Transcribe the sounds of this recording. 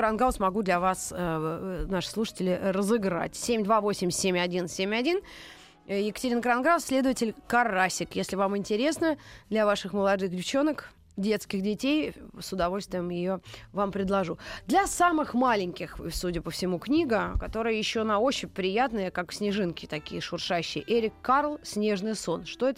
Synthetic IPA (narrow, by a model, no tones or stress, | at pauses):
ɾanɡasmɐɡud̪lʲɐvasənaʂɨ̥slˠuʂə̥tʲɪlʲɪrəzɨɡɾa̰tʲsʲemʲd̪vavo̞sʲɪmʲsʲemʲɐdʲinsʲemʲɐdʲin | jɪkə̥tʲɪɾʲinəkɾanɡɾassʲlʲe̞d̪əvətʲɪlʲkɐrasʲɪkjesʲlʲɪvamɪnʲtʲɪɾʲe̞snəd̪lʲɐvaʂɨxməlˠɐd̪ɨxdʲɪft͡ɕo̞nək | dʲe̞t̪skʲɪxdʲɪtʲejsʊd̪ɐvo̞lʲst̪vʲɪjəmjɪjovampɾʲɪd̪lˠɐʐud̪lʲɐsamɨxmalʲɪŋʲkʲɪxsudʲɪpəfsʲɪmuknʲiɡəkɐt̪o̞ɾɨjəjɪɕːonaot͡ɕɪpɾʲɪjat̪nəjəkaksʲnʲɪʐɨnkʲɪt̪ɐkʲijəʂʊrʂaɕːɪjʔeɾʲɪkːarlˠsʲnʲe̞ʐnɨjso̞nʂt̪o̞ɛt̪ə